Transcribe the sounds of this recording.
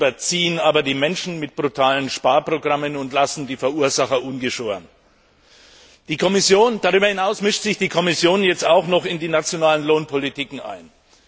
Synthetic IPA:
bɐt͡siːənaːbɐdiːmɛnʃn̩mɪt̚b̥ʁutʰaːlənʃpaːɐpʁ̥oɡʁamənʊntlasn̩diːfɛɐʔuːɐzaχɐʔʊnɡəʃoːɐ̰n | d̥iːkʰɔmɪsjoːnd̥aʁ̞yːbɐhɪnaʊsmɪʃtz̥ɪçd̥iːkʰɔmɪsjoːnjɛt͡staʊxnɔχɪndiːnat͡sjonaːlənloːnpʰɔlitiːkŋ̩ʔa̰ɪn

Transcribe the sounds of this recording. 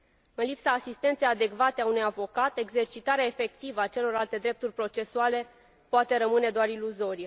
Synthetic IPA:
ɨnlipsaːsist̪e̞nt̪se̞jad̪e̞kvat̪eaunujavo̞kat̪e̞ɡze̞rt͡ʃit̪aɾeaefe̞k̚t̪ivəat͡ʃe̞lo̞ralt̪e̞d̪ɾe̞p̚t̪urʲpɾo̞t͡ʃe̞suale̞ | poat̪e̞ɾəmɨne̞d̪oaɾiluzo̞ɾije

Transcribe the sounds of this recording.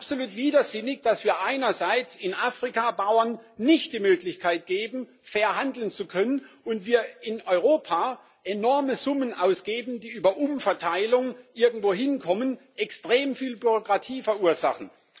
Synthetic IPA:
apsoluːtv̥iːdɐzɪnɪçd̥asv̥iːɐʔaɪnɐzaɪt͡sɪnʔaːfʁ̥ikabaʊɐnːɪçtd̥iːmøːklɪçkʰaɪt̚ɡ̥eːbm̩ | fɛɐɦandl̩nt͡sukʰœnənʔʊntv̥iːɐɪnɔʏʁ̞oːpʰaː | ʔenɔɐməzʊmənʔaʊsɡ̥eːbm̩diːʔyːbɐʔʊmfɛɐtʰaɪlʊŋʔɪɐɡŋ̩tv̥oːɦɪnkʰɔmən | ʔɛkstʁ̥eːmfiːlbyʁokʁ̥atʰiːfɛɐʔuːɐzaχn̩

